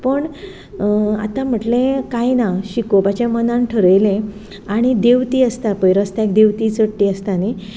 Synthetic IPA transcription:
pəɳ | a̰t̪ãm̤əʈlẽkajnaɕikopat͡ɕãmənãnʈʰəɾəjlẽ | aɽ̃id̪eʋt̪iːəst̪apəjɾəst̪aek̚d̪eʋt̪iːt͡səɽʈːiːəst̪ani

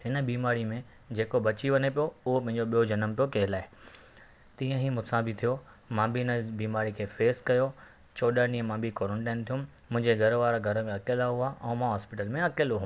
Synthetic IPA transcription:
ɦɪnə̆biːmaːɾimẽ | d͡ʑeːkobɐt͡ɕiʋɐnepijoʊɦopɐ̃ɦɪ̃ɲd͡ʑoɓijod͡ʑɐnəmpijokɐɦɪlaːɦɪ | t̪ĩːə̃ɦimʊ̃sãbʱɪt̪ʰijo | mãːbʱiɦɪnəbiːmaːɾikʰeːfeːskɐjo | t͡ɕoːɗanĩːə̃mãbʱikoːɾə̃ɳʈãːnt̪ʰijũmmʊ̃ɦɪ̃ɲd͡ʑeɡʱɐɾʋaːɾɡʱɐɾmẽɐkelaɦuaʔɛ̃ːmãɦaːspɪʈəlmẽɐkeloɦũ

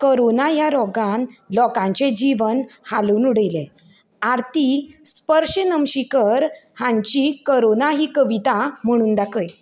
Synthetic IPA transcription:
kəɾonajaɾɔɡãnlɔkãɲt͡ɕed͡ʑiʋənhaluːnuɽəjlẽ | aɾt̪ispəɾʂənəmɕikəɾhãɲt͡ɕikəɾonaɦiːkəʋit̪am̤əɽ̃uːnd̪akəj

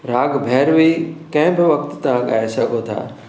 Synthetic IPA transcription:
ɾaːɡbʱɛːɾʋikɐ̃ɦɪ̃bɪʋɐk̚t̪t̪ãɠa̰ːesɐɡʱot̪ʰa̰ː

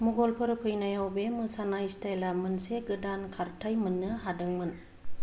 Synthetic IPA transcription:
muɡɔlpʰɯɾɯpʰɯjnajawbemɯsanajstajlamɯnseɡɯdankʰaɾtʰajmɯnːɯɦadɯŋmɯn

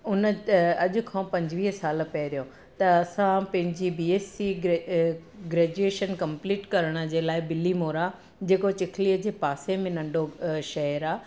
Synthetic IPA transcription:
ʊnəɐʄʊ̆kʰãpɐ̃ɲd͡ʑʋiːɦəsaːlpɐɾijõ | t̪ɐɐsãpɐ̃ɦɪ̃ɲd͡ʑibiːeːsi | ɡɾeːd͡ʑueːʃənkɐ̃mpliːʈkɐɾəɽ̃ə̆d͡ʑeːlaːɪbɪlimoːɾa | d͡ʑeːkot͡ɕɪkʰliːəd͡ʑeːpaːsemɪ̃nɐ̃ɳɖoʃɐɦəɾaː

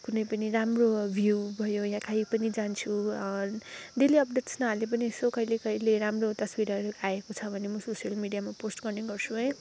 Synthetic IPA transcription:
kunʌjpʌniramrobʱjubʱʌjojãkʰaipʌnid͡zant͡sʰu | d̪eliʌp̚deʈsnʌɦalep̬ʌnisokʌilekʌileɾamrot̪ʌswiɾʌʌɾuaekot͡sʰʌbʱʌnemʌsosijʌlmiɖijamaposʈɡʌrneɡʌrt͡sʰuɦʌj

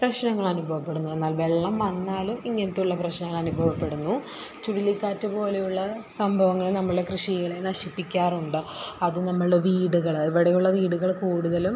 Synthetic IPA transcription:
prɐɕnɐŋːɐɭɐnubʱɐʋɐpːe̞ɽunːue̞nːaːlʋe̞ɭːɐmʋɐnːaːlumiŋːenɐt̪ːuɭːɐprɐɕnɐŋːɐɭɐnubʱɐʋɐpːe̞ɽunːu | t͡ɕuɽilikʲːaːtːɨpo̞ːle̞juɭːɐsɐmbʱɐʋɐŋːɐɭnɐmːɐɭɨɽe̞krɨʂijɣiɭenɐʂipːikʲːaːruɳɖɨɐðɨnɐmːɐɭɽeʋiːɽuɣɐɭiʋiɽejuɭːɐʋiːɽuɣɐɭkuːɽuðɐlum

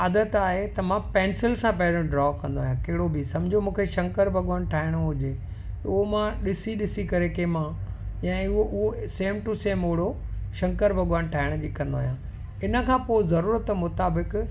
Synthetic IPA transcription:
aːd̪ət̪aːɦet̪ɐmãpɛ̃ːnsɪlsãpɐɦɪɾõɖɾɔːkɐ̃nd̪oaːjãkɐɦɪɽobʱisɐ̃md͡ʑʱiomũːkʰeʃɐ̃ŋkəɾbʱɐɠʋaːnʈʰaːɪɽ̃oɦʊd͡ʑe | t̪ɐʊɦomãɗɪsiɗɪsikɐɾekeːmãjãːʊɦoʔʊɦoseːmʈuseːmɦʊɽoʃɐ̃ŋkəɾbʱɐɡʋaːnʈʰaːɪɽ̃d͡ʑiːkɐ̃nd̪oaːɦjãː | ɪnə̆kʰãːpoɪzɐɾuːɾət̪mʊt̪aːbɪk

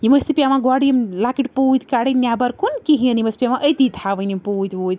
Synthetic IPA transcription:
jimɐst̪ipiamãɡwaɽijmlakiʈpuːt̪ʲkaɽinjabɐɾkunkiɦĩənimɐspiamãʔət̪it̪ʰaʋɐnimpuːt̪ʲʋoːt̪ʲ

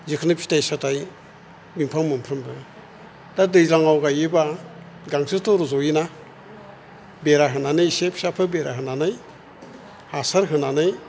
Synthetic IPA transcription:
zikʰnɯpʰi̥tajsataj | mimpʰaŋmɯmpʰɾɯmbɯ | d̥adɯjzaŋawɡajɯba | ɡaŋsʰɯtɔɾɔzɔjina | beɾaɦɯnanɯjsepʰi̥sapʰɯbeɾa̰ɦɯnanɯj | hasaɾɦɯnanɯj

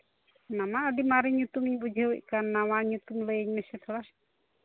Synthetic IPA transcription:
namaʔədimaɾiɲut̪umiɲbud͡ʒʱeuc̚kanːawaɲut̪umləjeɲmɛsɛt̪ʰɔɽa

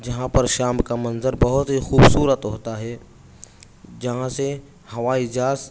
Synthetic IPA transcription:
d͡ʒɐɦãpɐɾʃaːmkamɐnzəɾbɐɦʊt̪ɦixuːbsuːɾət̪ɦoːt̪aɦɛː | d͡ʒɐɦãse | hɐʋaɪd͡ʒaːs

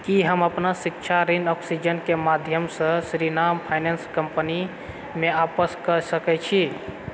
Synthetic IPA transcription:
kiɦəməpnasikt͡ʃʰaɾinɔksid͡ʒənkemad̪ʱjəmsə̃sɾinampʰajnenskəmpəni | meapəskəɾsəkɛt͡ʃʰi

